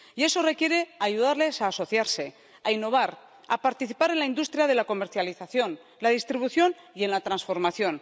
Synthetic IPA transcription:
ie̞so̞re̞kje̞ɾe̞aʝuð̞aɾle̞saːso̞θjaɾse̞ | ainːo̞β̞aɾ | a̰paɾt̪iθipaɾe̞nlaind̪ust̪ɾjaðe̞lako̞me̞ɾθjaliθaθjo̞n | laðist̪ɾiβuθjo̞n | ie̞nlat̪ɾansfo̞ɾmaθjo̞n

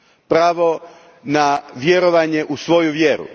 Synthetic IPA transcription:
pɾaːʋo̞ | naʋjeɾoʋaɲeʔusʋo̞juʋjeɾṵ

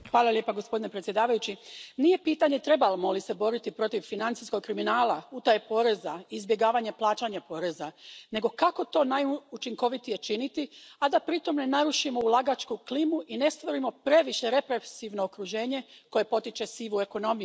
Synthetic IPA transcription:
xʋaːlˠalje̞paɡo̞spo̞d̪ine̞pɾet̪sje̞d̪aːʋajut͡ɕinije̞piːt̪aɲe̞t̪ɾe̞balmolise̞bo̞ɾit̪ipɾo̞t̪iʋfinant̪sisko̞ɡ̚kɾiminaːlaut̪ajpo̞ɾe̞zaiːzbjeɡaːʋaɲeplˠaːt͡ʃaɲapo̞ːɾe̞zane̞ɡo̞kako̞t̪o̞ːnajut͡ʃiŋko̞ʋit̪ije̞t͡ʃinit̪iad̪apɾit̪o̞mne̞naɾuʃimoulˠaɡat͡ʃkuklimuʔine̞st̪ʋo̞ɾimo̞pɾe̞ʋiʃe̞ɾe̞pɾesiʋno̞ːkɾuʒe̞ːɲe̞ko̞je̞po̞t̪it͡ʃe̞siʋue̞ko̞no̞miu

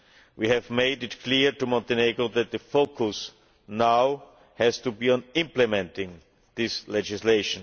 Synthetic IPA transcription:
wihɛvmeɪdɪtkʰliɹtumɔ̃ntɛneɡɹoðɛt̪̚ðəfoʊkʰʊs | naʊ | hɛz̥tubiːə̃nɪ̃mplɛmɛ̃ntɪ̃ŋ | ðɪslɛd͡ʒɪsleɪʃə̃n

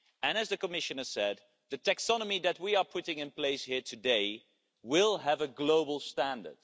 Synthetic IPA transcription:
ɨ̃nɨzðɨkəmɪʃɨ̃nə˞sɛd̪̚ | ðɨtʰæksɑnəmiðɨt̚wiə˞pʰʊɾɪ̃ŋɨ̃npl̥eɪshiɹtʰɨdeɪ | wɪlˠəvəɡloʊbəl̩ˠstæ̃ndə̰˞d̥

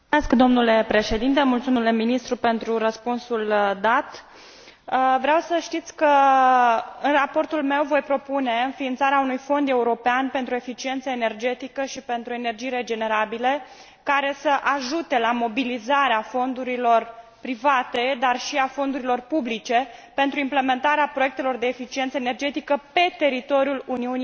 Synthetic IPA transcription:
eskd̪o̞mnule̞pɾe̞ʃe̞d̪int̪e̞mult̪sumnuleminist̪ɾupe̞nt̪ɾuɾəspunsuld̪at̪ | əvɾeawsəʃt̪it̪sʲkə | ɨnrapo̞rt̪ulme̞wvo̞jpɾo̞pune̞ɨnfiːnt̪saɾeaunujfo̞nd̪e̞uɾo̞peanpe̞nt̪ɾue̞fit͡ʃie̞nt̪səene̞rd͡ʒe̞t̪ikəʃipe̞nt̪ɾuoe̞ne̞rd͡ʒijɾe̞d͡ʒe̞ne̞ɾabile | kaɾe̞səʔaʒut̪e̞lamo̞bilizaɾeafo̞nd̪uɾilo̞rpɾivat̪e̞d̪arʃiafo̞nd̪uɾilo̞rpublit͡ʃe̞pe̞nt̪ɾuimple̞me̞nt̪aɾeapɾo̞je̞k̚t̪e̞lo̞rd̪e̞ːfit͡ʃient̪səenerd͡ʒe̞t̪ikəpe̞t̪e̞ɾit̪o̞ɾjuluniuni

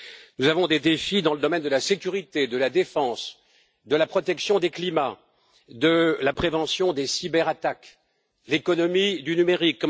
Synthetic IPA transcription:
nuzavɔ̃d̪ed̪efid̪ɑ̃ləd̪ɔmɛnd̪əlasekʲyʁit̪ed̪əlad̪efɑ̃s | d̪əlapχɔt̪ɛksjɔ̃d̪eklima | d̪əlapχevɑ̃sjɔ̃d̪esibɛʁat̪ak | lekɔnɔmid̪ynymeʁikː

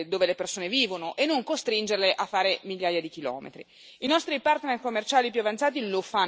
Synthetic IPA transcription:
d̪oːvelepersoːneviːvonoʔenːoŋkost̪ɾind͡ʒerleʔafːaːɾemiʎːaːjad̪ikilɔ̰ːmḛt̪ɾi | inɔst̪ɾipart̪nerkomːert͡ʃaːlip̬juavant̪saːt̪ilofa

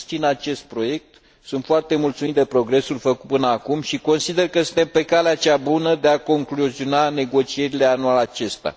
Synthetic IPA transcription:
t͡ʃinat͡ʃe̞st̪̚pɾo̞je̞k̚t̪ | sunt̪foart̪e̞mult̪sumit̪d̪e̞pɾo̞ɡɾe̞sulfəkut̪̚pɨnəakumʃiko̞nsid̪e̞rkəsunt̪e̞mpe̞kaleat͡ʃabunəd̪e̞ako̞ŋkluzio̞nane̞ɡo̞t͡ʃie̞ɾile̞anualat͡ʃe̞st̪ea̰

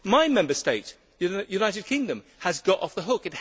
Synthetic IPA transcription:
maɪmɛ̃mbəsteɪt | jʉnaɪɾɨd̚kʰɪ̃ŋdɨ̃m | əzɡɒɾɒ̰fðəɦʊkɨt̚h

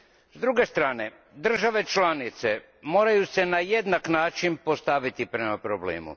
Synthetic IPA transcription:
zd̪ɾuɡe̞st̪ɾaːne̞ | d̪r̩ʒaʋe̞t͡ʃlanit̪se | mo̞ːɾajuse̞najed̪naknaːt͡ʃinpo̞st̪aʋit̪ipɾemapɾoblḛːmṵ

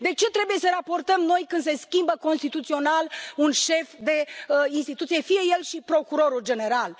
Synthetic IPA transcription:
d̪e̞t͡ʃe̞t̪ɾe̞buje̞səɾapo̞rt̪əmno̞jkɨnd̪se̞skʲimbəko̞nst̪it̪ut̪sio̞nalunʃe̞fd̪e̞inst̪it̪ut̪sije̞fije̞je̞lʃipɾo̞kuɾo̞ɾuld͡ʒe̞ne̞ɾal

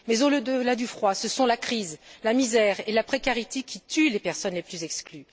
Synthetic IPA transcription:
mɛzoləd̪əlad̪yfχwasəsɔ̃lakχizlamizɛʁelapχekaʁit̪ekʲit̪ʰylepɛʁsɔnleplyzɛkskly

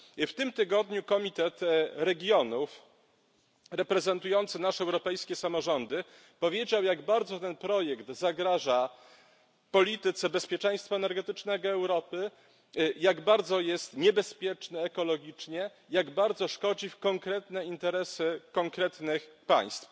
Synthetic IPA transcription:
ft̪ɘmt̪ɘɡɔd̪ɲukɔmʲit̪ɛt̪ɾɛɡʲjɔnuf | ɾɛpɾɛzɛnt̪ujɔnt̪sɘnaʂɛɛwɾɔpɛjskʲɛsamɔʐɔnd̪ɘ | pɔvʲjed͡ʑawjaɡbaɾd̪zɔt̪ɛnpɾɔjɛkt̪zaɡɾaʐa | pɔlʲit̪ɘt̪sɛbɛspʲjɛt͡ʂɛ̃j̃st̪faɛnɛɾɡɛt̪ɘt͡ʂnɛɡɔɛwɾɔpɘ | jaɡbaɾd̪zɔjɛst̪ɲɛbɛspʲjɛt͡ʂnɘɛkɔlɔɡʲit͡ʂɲɛ | jaɡbaɾd̪zɔʂkɔd͡ʑifkɔŋkɾɛt̪nɛint̪ɛɾɛsɘkɔŋkɾɛt̪nɘxpa̰j̃st̪f

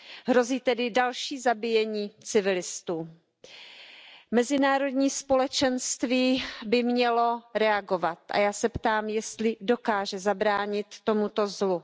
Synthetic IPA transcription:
ɦɾo̞ziːt̪ɛdɪdalʃiːzabɪjɛɲiːt͡sɪvɪlɪst̪uː | mɛzɪnaːɾo̞dɲiːspo̞lɛt͡ʃɛnst̪viːbɪmɲɛlo̞ɾɛaɡo̞vat̪ʔa̰jaːsɛpt̪aːmjɛst̪lɪdo̞kaːʒɛzabɾaːɲɪt̪ːo̞mut̪o̞zlu

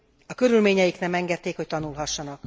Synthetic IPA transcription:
ɒkø̞ɾylmeːɲɛjiknɛmɛŋɡɛt̪ːeːkho̞ct̪ɒnulɦɒʃːɒnɒk

